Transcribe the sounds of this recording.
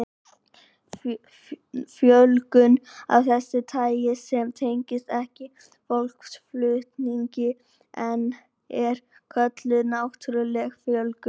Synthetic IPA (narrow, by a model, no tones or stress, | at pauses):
fjœlkʏna̰vθɛsːɪt̪ʰaːjjɪsɛmt̪ʰejɲcɪst̪ɛhcɪ | fowl̥ksflʏht̪niɲcɪ | ɛn | ɛɾkʰœt̪lʏðnaːwht̪ʰʏɾʏlɛxfjœlkʏ